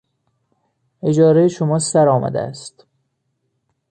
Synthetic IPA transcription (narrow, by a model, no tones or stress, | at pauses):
ʔe̞d͡ʒɒːɾejeʃomɒːsæɾɒːmæ̰d̪ḛæ̰st̪